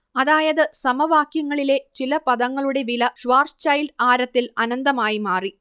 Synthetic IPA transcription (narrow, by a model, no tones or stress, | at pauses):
ɐðaːjɐðɨsɐmɐʋaːkjɐŋːɐɭile̞t͡ɕilɐpɐðɐŋːɐɭuɽe̞ʋilɐʂʋaːrst͡ɕɐjlɖaːɾɐt̪ːilɐnɐnd̪ɐmaːjimaːri